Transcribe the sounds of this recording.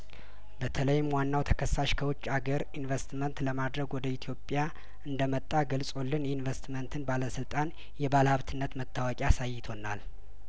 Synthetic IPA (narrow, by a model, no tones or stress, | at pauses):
bət̪ʰələjɪmwanːawt̪ʰəkʰəsːaʃkʰəwɔt͡ʃʼːaɡəɾinvəst̪mənt̪ləmad̪ɾəɡwɔd̪əit̪ʰjo̞pʼja | ɨnd̪əmət̪ʼːaɡəlsʼo̞lːɨnjinvəst̪mənt̪ʰɨnbaləsɨlt̪ʼan | jɛbalhaβt̪ʰɨnːət̪mət̪ʰʼːawakʼiasajːɪt̪ʰo̞nːal